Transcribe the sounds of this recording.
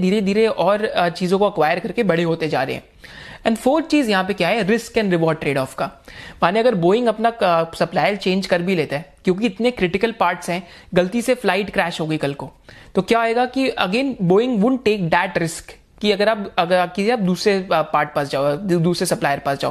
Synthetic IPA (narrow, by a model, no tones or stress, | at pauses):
d̪ʱiːɾed̪ʱiːɾeʔɔːɾt͡ʃiːzõkoɐkʋaːɪəɾkɐɾkebɐɽ̤eɦoːt̪ed͡ʒa̰ːɾɐ̰ḛɦɛ̰̃ː | ɛ̃ɳɖfəːɾt͡ʃiːzjɐɦãp̬ekjaɦɛɾɪskɛ̃ːnɾɪʋɔːɾɖ̚ʈɾeːɖɔːfkaːmaːneɐɡəɾboːɪ̃ŋɡɐpnasɐplaːɪjəɾt͡ʃẽːnd͡ʒkɐɾbʱileːt̪aɦɛkjõːk̬iɪt̪nekɾɪʈɪkəlpaːɾʈsɦɛ̃ː | ɡɐlt̪iseflaːɪʈkɾɛːʃɦoːɡɐikɐlkoːt̪okjaːeːɡakiɐ̰ɡeːnboːɪ̃ŋɡʋʊɳ̚ʈeːk̚d̪ɛːʈɾɪsk | kiɐɡəɾaːpɐkɪsiaːp̚d̪uːsɾepaːɾʈ̚pɐsd͡ʒaːd̪uːsɾesɐplaːɪjəɾpasd͡ʒaːoː